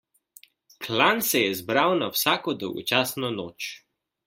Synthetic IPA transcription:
kʰlansɛjɛzbɾawnawsaːkɔd̪ɔwɡɔ̰t͡ʃaːsnɔnoːt͡ʃ

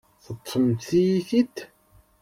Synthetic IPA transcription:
θət̪ˤːəmt̪θijiθit̪

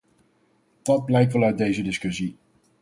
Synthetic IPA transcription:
d̥ɑd̚blɛjk̚tʋɛlˠœɥt̚dejzədɪskɵsi

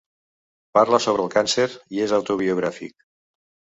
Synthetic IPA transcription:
paɾləsoβ̞ɾəːlˠkanseɾiezawt̪uβiuɣ̞ɾafḭk̚

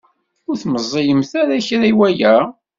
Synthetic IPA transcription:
ʊɾθməzˤːijəmθaɾæçɾæiwæjæ

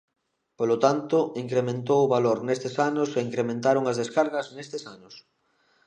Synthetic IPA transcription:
polot̪ant̪ʊiŋkɾemẽnt̪̬owʊβaloɾnest̪ɪsanʊseiŋkɾemẽnt̪aɾʊŋɐzðeskaɾɣɐznest̪ɪsanʊs

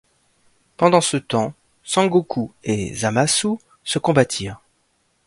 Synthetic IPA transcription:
pɑ̃d̪ɑ̃sət̪ɑ̃ | sɑ̃ɡokʰuḛzamasu | səkɔ̃bat̪ʰiːʁ

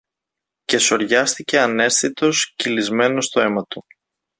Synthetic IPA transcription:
ce̞so̞ɾʝɐst̪ice̞ɐne̞sθit̪o̞scilizme̞no̞st̪o̞e̞mɐt̪u

